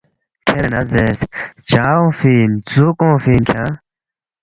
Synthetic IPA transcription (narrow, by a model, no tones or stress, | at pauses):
kʰeɾenɐzeːst͡ɕaːõfiːnzukõːfiːnkʰa